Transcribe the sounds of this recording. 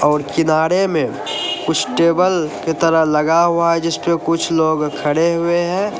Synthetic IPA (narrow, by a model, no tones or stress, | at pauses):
ɔːɾkɪnaːɾemẽ | kʊt͡ʃʰʈeːbəlket̪əɾəɦləɡaɦʊaɦɛd͡ʒɪspekʊt͡ʃʰloːɡkʰəɽeɦʊeɦɛ̃ː